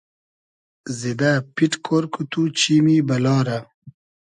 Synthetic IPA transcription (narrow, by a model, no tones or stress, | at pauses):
zid̪apiʈkʰoɾkut̪ut͡ɕimibɐlɑːɾɐ